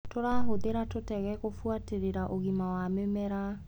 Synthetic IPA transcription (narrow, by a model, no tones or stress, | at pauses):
toɾaɦoðeɾatotɛɣɛkofuateɾeɾaʔoɣimawamemɛɾa